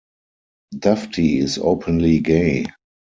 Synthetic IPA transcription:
daftʰiɪso̰ʊpʰə̃nliɡeɪ

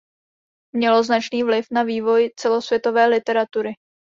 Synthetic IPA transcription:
mɲɛlo̞znat͡ʃniːvlɪfnaviːvo̞jt͡sɛlo̞svjɛt̪o̞vɛːlɪt̪ɛɾat̪uɾɪ

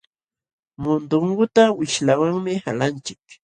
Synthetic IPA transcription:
mʊnd̪oŋɢʊt̪awɪʃlawaŋmɪhalant͡ʃɪk̚

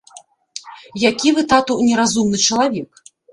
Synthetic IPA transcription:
jakʲivɨt̪at̪unʲɛɾazumnɨt͡ʂɐlˠavʲɛk̚

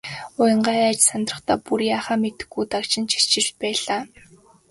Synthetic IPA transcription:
ʊjɪ̆ɴɢaːæːt͡ɕsant̪rə̆χt̪aːpurjaːχaːmet̪ɘ̆ɡujt̪akt͡ɕɪ̆nt͡ɕʰi̥t͡ɕɪ̆r̥t̪̚pæːɮaː

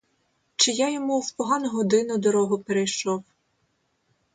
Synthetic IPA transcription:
t͡ʃɪjajɔmuwpɔɦɑnʊɦɔd̪ɪnʊd̪ɔɾɔɦʊpeɾejʃɔw

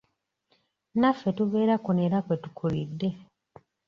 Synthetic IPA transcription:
nafːetuβe̞ːɾakuneɾakwe̞tukʰulidːe̞

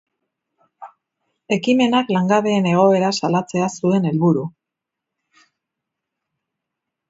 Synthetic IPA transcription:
e̞kime̞naklaŋɡaβe̞ːne̞ɣ̞o̞e̞ɾasalat͡se̞asue̞ne̞lβuɾu

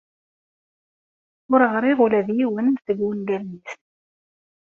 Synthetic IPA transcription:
ʊɾəʁɾˤiʁulæðjiwənnθəɡwənd̪ælmiθ

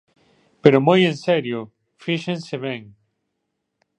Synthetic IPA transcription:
peɾomojẽnseɾjo | fiʃẽnseβẽŋ

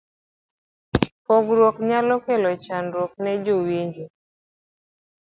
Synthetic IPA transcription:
pɔɡɾwɔkɲalɔkelɔt͡ʃanɾɔknɛd͡ʒoweɲd͡ʒe

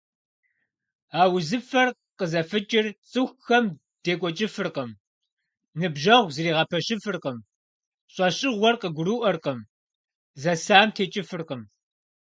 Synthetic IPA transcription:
aːwzɨfɐr | qəzɐfɨt͡ʃʼɪrt͡sʼɨxʷxɐm | d̥eːkʷʼɔt͡ʃʼɪfɨrqəm | nɨbʒɐʁʷzriːʁɐpʰɐʃɪfɨrqəm | ɕʼɐɕʼɪʁʷɔrqəɡʷʊɾuːʔɐrqəm | zɐsaːmtʰeːt͡ʃʼɪfɨrqəm

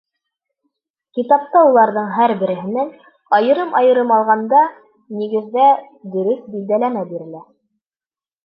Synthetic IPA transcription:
kit̪ɑp̚t̪ɑulˠɑɾðɤɴɦæɾbɘ̆ɾɘ̆ɦɘ̆næn | ɑjɤ̆ɾɤmʔɑjɤ̆ɾɤmɑlˠʁɑnd̪ɑ | niɡɘ̆ðːæ | d̪ĭɾɘsbild̪ælæmæbiɾɘ̆læ

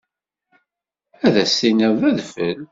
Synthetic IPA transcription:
æðæsinævæðfəl

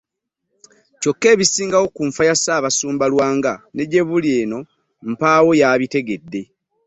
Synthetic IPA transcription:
co̞kːe̞ːβisiːŋɡawokuɱfajasaːβasuːmbalwaːŋɡane̞ɟeβulje̞ːno̞ | m̩paːwo̞jaːβite̞ɡe̞dːe̞

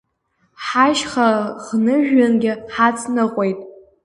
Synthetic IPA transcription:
ħaʃχaʁnɨʒᶣːanɡʲɪħat͡sʰnɨqʼe̞jtʼ

